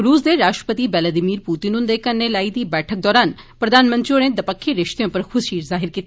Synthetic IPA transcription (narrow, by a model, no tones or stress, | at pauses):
ɾuːsd̪eːɾaːʃʈɾə̥pət̪iːʋɛːlaːd̪ɪmiːɾpuːt̪inʊ̃nd̪eːkənːeːlaːiːd̪iːbɛːʈʰək̚d̪ɔːɾaːn | pɾəd̪aːnmə̃nt̪ɾionẽːd̪əpəkʰːiɾɪʃt̪eõːpəɾkʰʊsʃiːɾzaːɦɪɾkiːt̪ː